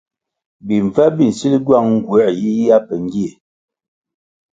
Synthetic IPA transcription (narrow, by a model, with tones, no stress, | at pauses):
bi˨ɱ˨va˦bi˦˨n̩˨si˦li˦ɡwa˦˨ŋŋ̩˨ɡwɛ˦˨ji˦ja˦pə˨ŋ˦ɡi˦e˨